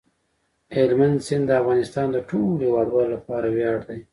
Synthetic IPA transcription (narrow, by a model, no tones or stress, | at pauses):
elmand̪sɪnd̪əafɣɑnɪst̪ɑnd̪əʈʰolhewɑɖwɑlolapɑɾawjɑɽd̪aj